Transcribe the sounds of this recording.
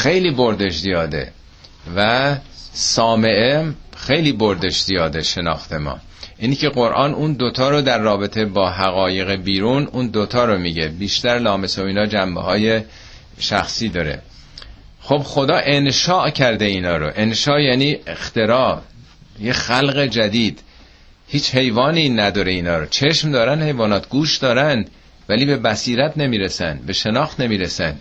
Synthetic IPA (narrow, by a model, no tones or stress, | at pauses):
xe̞jliːboɾd̪eʃzijɒːd̪e̞̰ | væ | sɒːme̞ʔexe̞jliːboɾd̪eʃz̥ijɒːd̪e̞ʃenɒ̰ːxt̪e̞mɒ̰ː | ʔinicʰeɣo̞ɾʔɒːnuːnd̪ot̪ʰɒːɾod̪æɾːɒːbe̞t̪ʰe̞bɒːɦæɣɒːje̞ɣebiːɾuːnuːnd̪ot̪ʰɒːɾomiːɟebiːʃt̪æɾlɒːme̞soiːnɒːd͡ʒæmbḛhɒːje̞ | ʃæ̰xsiːd̪ɒːɾḛ | xob̥xo̞d̪ɒːʔe̞nʃɒːʔcʰæɾd̪e̞iːnɒːɾo̰ʔe̞nʃɒːʔjæːniːext̪e̞ɾɒː | jexælɣe̞d͡ʒæd̪iːd̪̥ | hiːt͡ʃhe̞jvɒːniːnæd̪ɒːɾe̞iːnɒːɾot͡ʃʰe̞ʃmd̪ɒːɾænd̪he̞jvɒːnɒːt̪ʰɡuːʃd̪ɒːɾænd̪ | væliːbe̞bæsiːɾæt̪ʰne̞miːɾesæ̰nd̪be̞ʃe̞nɒːxt̪ne̞miːɾesæ̰nd̪̥